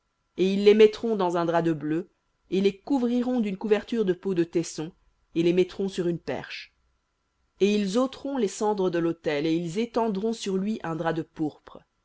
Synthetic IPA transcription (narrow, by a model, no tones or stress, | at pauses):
eilːemɛt̪χɔ̃d̪ɑ̃zɛ̃d̪ʁad̪əblø | elekuvʁiʁɔ̃d̪ynkuvɛʁt̪yʁd̪əpod̪ət̪ɛsɔ̃ | elemɛt̪ʁɔ̃syʁynpɛ̰ʁʃ | eilzot̪χɔ̃lesɑ̃d̪ʁəd̪əlot̪ɛleilzet̪ɑ̃d̪ʁɔ̃syʁlɥiʔɛ̃d̪ʁad̪əpuʁpχə